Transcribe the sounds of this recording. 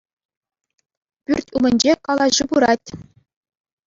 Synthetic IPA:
pʲyrʲtʲumʲɘ̆nʲd͡ʑekɑlˠɑʑɯbuɾɑtʲ

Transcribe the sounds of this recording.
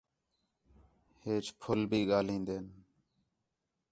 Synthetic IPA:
heːt͡ʃpʰʊlbʱiːɠaːlĩːnd̪eːn

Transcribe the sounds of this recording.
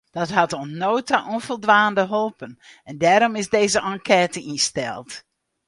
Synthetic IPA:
d̥ɔtɦatonnoːtaʔonfəlˠdʋaːndəɦolˠpən | ɛndɛːɾɔmɪsdeːzəʔɑŋkʰɛːtəinstɛ̰lˠt

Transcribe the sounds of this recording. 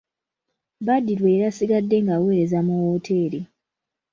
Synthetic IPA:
badiɾwe̞ːɾasiɡadːe̞ŋɡawe̞ːɾe̞zamuwotʰe̞ːɾi

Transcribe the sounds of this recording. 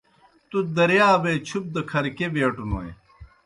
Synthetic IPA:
t̪ud̪ɐɾjaːbet͡ɕʰup̚d̪ɐkʰɐɾkebeːʈuno̰ːḛ

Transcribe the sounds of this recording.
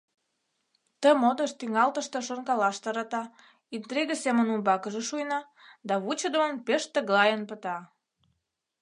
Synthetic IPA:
t̪əmod̪əʃt̪yŋɑlt̪əʃt̪ə̆ʃoŋkɑlɑʃt̪ɑɾɑt̪ɑ | int̪ɾiɣəsemənumbɑkəʒeʃujnɑ | d̪ɑβut͡ɕəd̪əmənpeʃt̪əɣlɑjənpət̪ɑ

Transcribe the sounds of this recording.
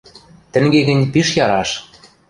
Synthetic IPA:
t̪ɘ̆ŋɡeɣɘ̆nʲpiʃjɑɾɑʃ

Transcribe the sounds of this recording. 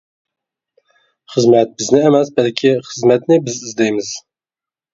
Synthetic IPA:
xɨzmɛt̪̚bɨznɛɛmɛs̚bɛlkʲʰixɨzmɛt̪nebɨzɨzd̪ejmɨz̥

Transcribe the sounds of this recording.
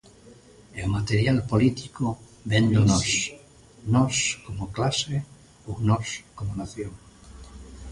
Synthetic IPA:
eomat̪eɾjalpolit̪iko | bend̪onɔs | nɔskomoklase | ownɔskomonaθjoŋ

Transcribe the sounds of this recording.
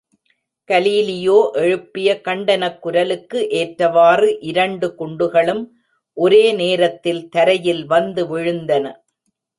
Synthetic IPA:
kɐliːlɪjoːʔɛɻɯpːɪjɐkɐɳɖɐnɐkːʊɾɐlɯkːɯʔeːʈɾɐʋaːrɯʔɪɾɐɳɖɯkʊɳɖɯɣɐɭɯm | ʔɔɾeːneːɾɐt̪ːɪlt̪ɐɾɐjɪlʋɐnd̪ɯʋɪɻɯnd̪ɐnɐ

